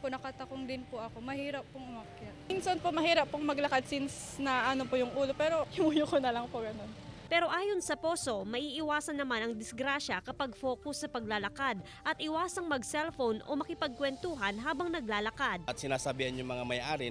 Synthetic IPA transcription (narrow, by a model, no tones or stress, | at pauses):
ponɐkɐt̪ɐkoŋd̪ɪnpoʔɐko̞mɐhiːɾɐpːoŋʊmɐkja | ɪnsonpomɐhiːɾɐpːoŋmɐɡlɐkad̪̚sins | nɐʔɐnopojʊŋʔuːlopɛːɾo̞hɪmujʊkonɐlɐŋpoɡɐno̞npɛːɾo̞ʔaːjo̞nsɐpo̞ːso̞mɐʔiːʔɪwaːsɐnːɐmanɐŋd̪ɪsɡɾaʃɐkɐpɐɡfo̞ːkʊsːɐpɐɡ̚laːlɐkad̪̚ | ʔɐt̪ʔɪwaːsɐŋmɐɡsɛlfownʔo̞̰mɐkɪpɐɡ̚kwɛnt̪uːɦɐnɦaːbɐŋnɐɡlaːlɐkad̪̚ʔɐt̪sɪnaːsɐbihɐnjʊŋmɐŋamɐjʔaːɾɪ